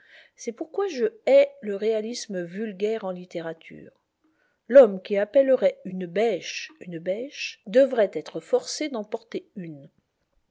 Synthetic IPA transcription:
sɛpuʁkwaʒəɛləʁealisməvylɡʲɛʁɑ̃lit̪eʁat̪ʰy̰ːʁ | lɔmkʲiapɛləʁɛynbɛʃynbɛʃd̪əvʁɛt̪ɛt̪χəfɔʁsed̪ɑ̃pɔʁt̪eyn

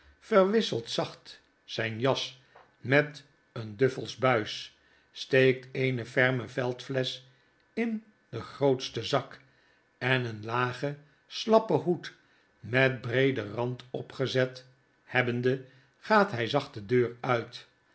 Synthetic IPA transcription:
fəɹʋɪsəlˠtsɑχt | sɛjnjɑs | mɛt | əndøfəlˠzbœɥs | stejk̚tejnəvɛɹməvɛlˠtflɛs | ɪn | dəχrowtstəzɑk | ɛnənlaːχə | slɑpəɦut | mɛt̚brejdərɑntɔpχəzɛt | hɛbəndə | χaːtɦɛjzɑχtədøːrœɥt

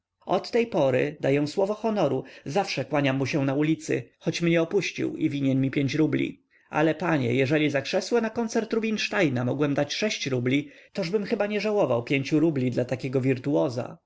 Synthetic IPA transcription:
ɔt̪ːɛjpɔɾɘ̰d̪ajɛ̃w̃swɔvɔxɔnɔɾuzafʂɛkwaɲamːuɕɛ̃naulʲit̪sɘ̰xɔt͡ɕmɲɛɔpuɕt͡ɕḭwivʲiɲɛɲmʲipʲjeɲt͡ɕɾublʲḭ | a̰lɛpaɲɛ̰jɛʐɛlʲizakʂɛswɛnakɔnt̪sɛɾt̪ɾubʲinʂt̪ajnamɔɡwɛmd̪at͡ɕʂɛɕt͡ɕɾublʲit̪ɔʐbɘmxɘbaɲɛʐawɔvawpʲjeɲt͡ɕuɾublʲid̪lat̪akʲɛɡɔvʲiɾt̪uwɔza̰

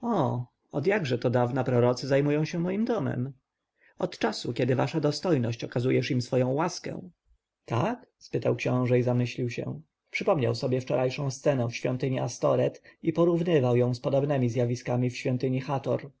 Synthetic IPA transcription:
ɔ | ɔd̪jaɡʐɛt̪ɔd̪avnapɾɔɾɔt̪sɘzajmujɔ̃w̃ɕɛmɔjimd̪ɔmɛ̰m | ɔt̪t͡ʂasukʲɛd̪ɘvaʂad̪ɔst̪ɔjnɔɕt͡ɕɔkazujɛʂimsfɔjɔ̃w̃waskɛ̰̃ | t̪akspɘt̪awkɕɔ̃w̃ʐɛizamɘɕlʲiwɕɛ̰ | pʂɘpɔmɲawsɔbʲjɛft͡ʂɔɾʔajʂɔ̃w̃st̪sɛnɛ̃fɕfʲjɔ̰nt̪ɘɲiʔast̪ɔɾɛt̪ipɔɾuvnɘvawjɔ̃w̃spɔd̪ɔbnɛmʲizʲjavʲiskamʲifɕfʲjɔnt̪ɘɲixat̪ɔɾ

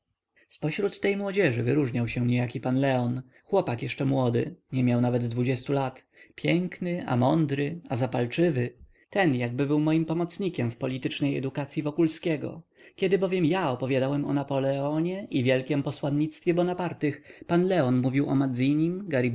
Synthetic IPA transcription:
spɔɕɾut̪ːɛjmwɔd͡ʑɛʐɘvɘɾuʐɲawɕɛɲejakʲipanlɛɔn | xwɔpakjɛʂt͡ʂɛmwɔd̪ɘɲɛmʲjawnavɛd̪ːvud͡ʑɛst̪ulat̪ | pʲjɛŋknɘʔa̰mɔnd̪ɾɘazapalt͡ʂɘvɘ | t̪ɛnjaɡ̚bɘbɘwmɔjimpɔmɔt̪sɲikʲɛmfpɔlʲit̪ɘt͡ʂnɛjɛ̰d̪ukat̪sʲjivɔkulskʲɛɡɔ̰kʲɛd̪ɘbɔvʲjɛmjaɔpɔvjad̪awɛmɔ̰napɔlɛɔɲɛʔivʲjɛlkʲɛmpɔswanɲːit̪st̪fʲjɛbɔnapaɾt̪ɘxpanlɛɔnmuvʲiwɔ̰mad̪zʲijɲimɡaɾi

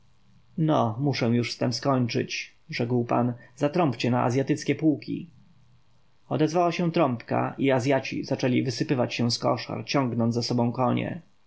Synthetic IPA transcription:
nɔmuʂɛw̃juʂst̪ɛmskɔɲt͡ʂɘ̰t͡ɕ | ʐɛkwpa̰nzat̪ɾɔmpt͡ɕɛnaʔa̰zʲjat̪ɘt̪skʲɛpuwkʲḭ | ɔd̪ɛzvawaɕɛ̃t̪ɾɔmpka̰ʔiazʲjat͡ɕḭzat͡ʂɛlʲivɘsɘpɘvat͡ɕɕɛw̃skɔʂa̰ɾt͡ɕɔ̃ŋɡnɔnd̪zasɔbɔ̃w̃kɔɲɛ̰

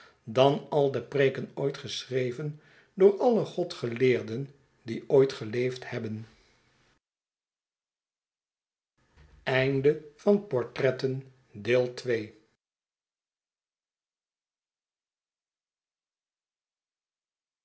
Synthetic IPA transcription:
dɑnɑlˠdəpreːkənojtχəsrejvən | dʊːɹɑləχɔtχəlɪːɹdən | diojtχəlejfthɛbən | ɛjndəv̥ɑnpɔɹtrɛtən | deːlˠtʋej

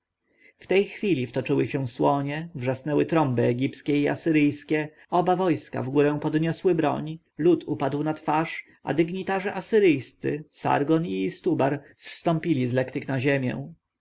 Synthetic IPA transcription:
ft̪ɛjxfʲilʲift̪ɔt͡ʂɘwɘɕɛ̃swɔɲɛvʐasnɛwɘt̪ɾɔmbɘɛɡʲipskʲɛia̰sɘɾɘjskʲɛ | ɔbavɔjska̰vɡuɾɛ̃w̃pɔd̪ɲɔswɘbɾɔ̰ɲ | lut̪ʰupad̪wnat̪faʂ | a̰d̪ɘɡɲit̪aʐɛʔasɘɾɘjst̪sɘ̰sa̰ɾɡɔnist̪ubaɾsːt̪ɔ̃mpʲilʲizlɛkt̪ɘknaʑemʲjɛ̰w̃

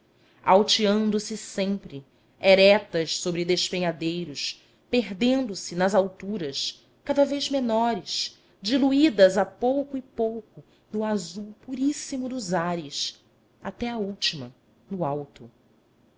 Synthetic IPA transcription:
awt͡ʃiɐ̃nd̪ʊsɪsẽmpɾɪ | ɛɾɛt̪ɐʃsobɾɪd̪eʃpeɲad̪ejɾʊs | peɦd̪ẽnd̪ʊsɪnɐzawt̪uɾɐs | kad̪ɐvejzmenɔɾɪʃ | d͡ʒiluid̪ɐzɐpowkʊɪpowkʊ | nʊazuwpuɾisimʊd̪ʊzaɾɪs | at̪ɛɐuwt͡ʃimɐ̰ | nʊawt̪ʊ

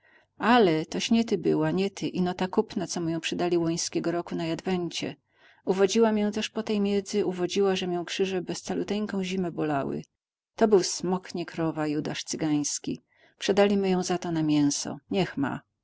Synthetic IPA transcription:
alɛt̪ɔɕɲɛt̪ɘbɘwaɲɛt̪ʰɘʔinɔt̪akupnat̪sɔmujɔ̃w̃pʂɛd̪alʲiwɔj̃skʲɛɡɔɾɔkunajad̪vɛɲt͡ɕɛ̰ | uvɔd͡ʑiwamjɔ̃w̃t̪ɛʂpɔt̪ɛjmʲjɛd̪zɘuvɔd͡ʑiwaʐɛmʲjɔ̃w̃kʂɘʐɛbɛst̪salut̪ɛjkɔ̃w̃ʑimɛbɔlawɘ̰ | t̪ɔbɘwsmɔkɲikɾɔvajud̪aʂt̪sɘɡaj̃skʲḭ | pʂɛd̪alʲimɘjɔ̃w̃zat̪ɔnamʲjɛ̃w̃sɔ̰ɲɛxma̰

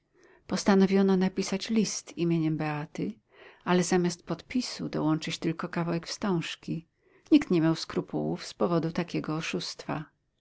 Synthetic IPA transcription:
pɔst̪anɔvʲjɔnɔnapʲisat͡ɕlʲist̪imʲjeɲɛmbɛat̪ɘ | alɛzamʲast̪̚pɔt̪pʲisud̪ɔwɔnt͡ʂɘt͡ɕt̪ɘlkɔkavawɛkfst̪ɔ̃w̃ʂkʲi | ɲikt̪ɲɛmʲjawskɾupuwṵfspɔvɔd̪ut̪akʲɛɡɔːʂust̪fa

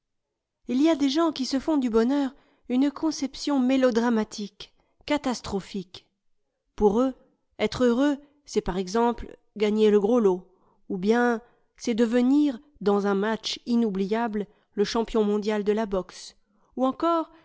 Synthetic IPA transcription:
ilijad̪eʒɑ̃kʲisəfɔ̃d̪ybɔnœʁ | ynkʰɔ̃sɛpsjɔ̃melɔd̪ʁamat̪ʰikː | at̪ast̪χɔfik | puʁø | ɛt̪χøʁø | sɛpaʁɛɡzɑ̃pl | ɡaɲeləɡʁolo | ubjɛ̃ | sɛd̪əvəniʁ | d̪ɑ̃zɛ̃mat͡ʃinublijabl | ləʃɑ̃pjɔ̃mɔ̃d̪jald̪əlabɔks | uɑ̃kɔʁ

